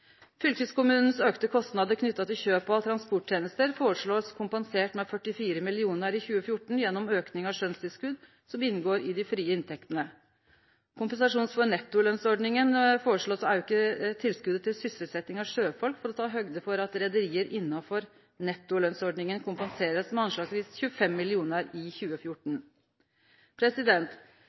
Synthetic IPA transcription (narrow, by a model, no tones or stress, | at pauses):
fʏlkəskʊmʉːnn̩søːkt̪əkʰɔst̪nɑd̪əɾkʰnʏt̪ːɑt̪ʰɪlçøːpɔɑt̪ʰɾɑnspɔʈ̚t̪ʰeːnəst̪əɾfoːɾəʂɭoːskʰʊmpɛnseːʈmɛfœʈːɪfiːɾəmɪlɪuːnəɾɪçʉːəfjʊʈːɳ̩jɛnːɔmøːknɪŋɑʂœnst̪ɪlskʉd̪ | sɔmɪnːɡoːɾɪd̪ɪfɾiːəɪnt̪ʰɛkt̪ənə | kʰʊmpənsɑʂuːnsfɔnɛt̪ːʊlœnsɔɖɳɪŋənfoːɾəʂɭoːsæɾjʊɪkːət̪ʰɪlskʉd̪ət̪ɪlsʏsɾət̪sɛt̪nɪŋɑʋʂøːfɔlkfɔɾɔt̪ʰɑːɦœɡd̪əfɔɾɑt̪ɾɛd̪əɾiːəɾʔɪnːɑfɔɾ | nɛt̪ːʊlœnsɔɖɳɪŋənkʰʊmpɛnseːɾəsmɛɑnʂɑːksʋiːsçʉəfɛmːɪlɪuːnəɾɪçʉːəfjʊʈɳ̩ | pʰɾɛsɪd̪ɛnt̪